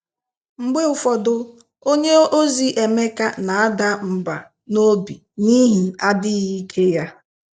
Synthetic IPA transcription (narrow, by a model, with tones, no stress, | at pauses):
ŋ͡m̩˨ɡ͡be˦ʊ˨fɔ˨dʊ˨ | o˦ɲe˦o˦zi˨ʔe˨me˦ka˦na˨a˦da˦m̩˨ba˨ | no˦bi˨ | ni˦ɦi˨a˦dɪ˦ɣi˦kʰe˦ja˦